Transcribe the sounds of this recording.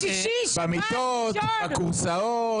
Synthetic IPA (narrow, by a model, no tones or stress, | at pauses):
bamit̪o | t̪bakuʁsa | o